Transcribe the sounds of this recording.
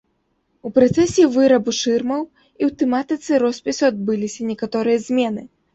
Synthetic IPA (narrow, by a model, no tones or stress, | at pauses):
upɾɐt̪sɛsʲivɨɾɐbuʂɨrmɐw | iwt̪ɛmat̪ɨt̪sɨɾɔsʲpʲisuad̪̚bɨlʲisʲɐnʲɛkat̪ɔɾɨjɐzʲmʲɛnɨ